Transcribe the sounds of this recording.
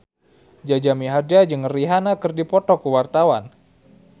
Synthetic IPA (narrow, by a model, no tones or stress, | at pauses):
d͡ʒad͡ʒamiɦardad͡ʒɨŋriɦanakɨrdipɔt̪ɔkuwart̪awan